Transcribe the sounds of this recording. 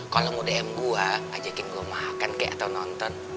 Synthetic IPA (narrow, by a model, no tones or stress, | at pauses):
kalɔmudeɛmɡuaʔa̰d͡ʒakɪnɡuamakankɛʔat̪awnɔnt̪ɔn